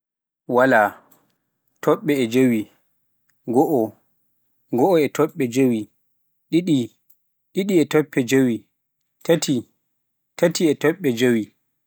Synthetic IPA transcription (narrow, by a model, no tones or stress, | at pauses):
wala | tʰɔɓːɛɛd͡ʒowi | ɡɔʔɔ | ɡɔʔɔɛtɔɓːɛd͡ʒowi | ɗiɗi | ɗiɗiɛtɔpːɛd͡ʒowi | tʰatʰi | tatiɛtɔɓːɛd͡ʒowi